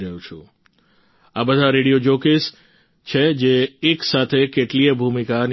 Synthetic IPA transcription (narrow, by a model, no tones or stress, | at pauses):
ɾəjũt͡ʃʰṵ̃ | abəd̪ʱaɾeɽijod͡ʒokes | t͡ʃʰed͡ʒeːksat̪ʰekeʈliebʱumikan